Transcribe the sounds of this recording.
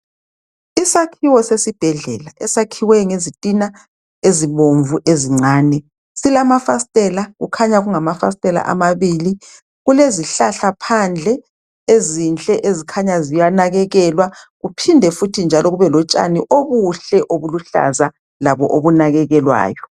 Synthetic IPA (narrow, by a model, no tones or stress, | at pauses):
isakʰiwɔsesib̥ʱɛɮɛlaʔɛsakʰiwɛŋezitʼina | eziβoɱvuʔeziŋ͡ǀaːnɛ | silamafastʼɛlaɣṵkʰaɲaɣuŋamafastʼɛla̰ʔa̰maβiːli | ɣuleziɬaɬapʰand͡ɮʱɛ | ezint͡ɬʼɛʔezikʰaɲazijanaɣɛɣɛlwaɣupʰindʱɛfutʰind͡ʒʱalɔɣuβɛlɔt͡ʃʼa̰niʔoβuɬɛʔoβuluɬa̰za | laβɔʔoβunaɣɛɣɛlwa̰ːjɔ